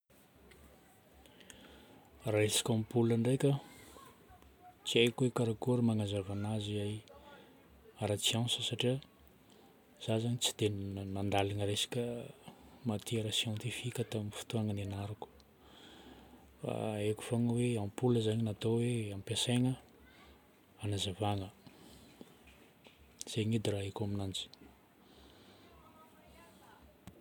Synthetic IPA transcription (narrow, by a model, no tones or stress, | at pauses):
raesḁkʲampulaɳɖ͡ʐejkʲə | t͡siajkwekaɾakuɾəmaŋazavanaziaj | aɾat͡siãnsəsaʈ͡ʂia | z̥azaɲit͡si̥d̪̥ennand̪alaŋəɾesḁkʲə | mat̪iɾəsjãnt̪ifikʲət̪aminfu̥t̪uaŋənenaɾuku̥ | fa̰eku̥foŋəweãmpuləzaɲinat̪oweampaseŋə | anazavaŋə | z̥eɲid̪iraɦekaminand͡zi̥